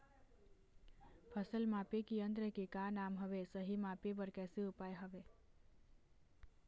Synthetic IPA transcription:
pʰəsəlmapekiə̃nd̪ɾəkikanamɦəʋesəɦimapebəɾkɛseupajɦəʋe

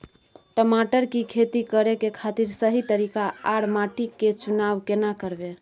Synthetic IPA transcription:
ʈəmaʈəɾkikʰet̪ikəɾekekʰat̪iɾsəɦit̪əɾikaːɽmaʈikːet͡ʃunaʋkenakəɾbe

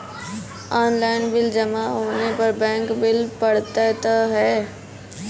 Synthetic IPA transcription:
aːnlaːɪnbɪld͡ʒɐmaɦoːnepɐɾbɛ̃ːŋkbɪlpɐɽ̤t̪at̪ɐɦɛː

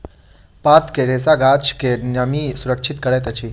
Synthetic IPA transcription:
paːt̪keɾeːsaɡaːt͡ʃkenɐmisuɾəkʃʰit̪kəɽet̪ɐt͡ʃʰi

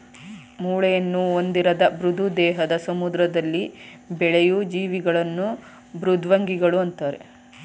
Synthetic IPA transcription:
muːɭɛjɐnːuond̪iɾɐd̪ɐbɾud̪ʱud̪ɛːɦɐd̪ɐsɐmud̪ɾɐd̪ɐlːi | bɛɭejud͡ʒiːʋiɡɐɭɐnːu | bɾud̪ʱʋɐŋɡiɡɐɭuɐnt̪aːɾḛ

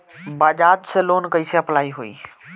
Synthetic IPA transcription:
baːʄaːt̪seloːnkɐiseɐplaːiɦuḭː

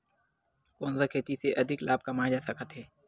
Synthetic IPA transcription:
koːnzakʰeːt̪iseʔɐd̪ʱɪklaːb̚kɐmaːd͡ʒaːsɐkət̪ɦɛː

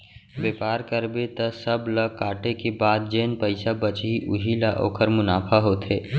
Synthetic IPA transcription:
ʋeːpaːɾkəɾbet̪ɐsəblɐkaːʈekebaːd̪̚d͡ʒeːnpəɪsabət͡ʃiʔʊɦilaʔo̰ːkʰəɾmʊnaːpʰaɦoːt̪ʰeː

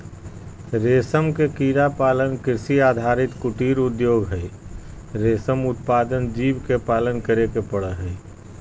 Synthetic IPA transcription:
ɾesəmkekiɾapaːlənkɪɾsiad̪ʱaɾit̪kuʈiɾud̪joːɡɦəj | ɾesəmut̪̚pad̪ənd͡ʒibkepaːlənkəɾekepəɽəɦəj

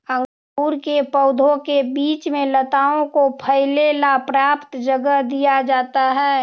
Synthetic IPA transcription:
ə̃ŋ | uːɾkepəʊd̪ʱõkebiːt͡ʃmẽlət̪aːõkopʰəɪlelapɾaːpt̪d͡ʒəɡəɦd̪ijad͡ʒaːt̪aɦɛː

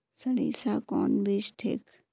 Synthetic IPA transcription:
sɐɽiːsakɔ̰ːnbeʃʈʰḛːk

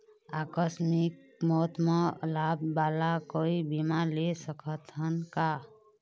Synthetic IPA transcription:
akəsmik̚mɔt̪melabːalakoibimalesəkʰət̪ʰənka

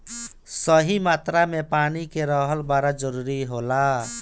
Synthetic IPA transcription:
səɦimat̪ɾamepanikeɾəɦəlbaɾad͡ʒəɾuɾiɦola

